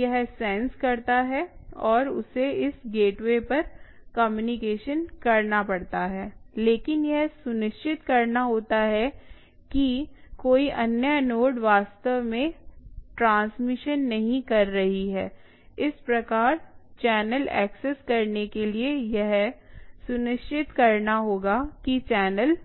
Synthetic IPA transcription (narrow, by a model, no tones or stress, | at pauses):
jɐɦsɛ̃nskɐɾt̪aɦɛɔːɾʊ̰seɪsɡeːʈʋepɐɾkɐmjuːnɪkeːʃənkɐɾnapɐɽt̪aɦɛːleːkɪnjɛɦsʊnɪʃt͡ʃɪt̪kɐɾnaɦoːt̪aɦɛ | kikoːiʔɐnjənoːɖʋaːst̪əʋmẽʈɾãːnsmɪʃənːɐɦĩkɐɾːɐɦiɦɛː | ɪspɾɐkaːɾt͡ʃɛːnəlɛ̰ːkseskɐɾnekeliejɛɦsʊnɪʃt͡ʃɪt̪kɐɾnaɦoːɡakit͡ʃɛːnəl